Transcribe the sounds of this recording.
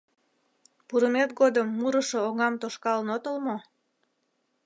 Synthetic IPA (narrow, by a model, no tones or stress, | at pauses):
puɾəmet̪̚ɡod̪əmːuɾəʃooŋɑmt̪oʃkɑlənot̪əlmo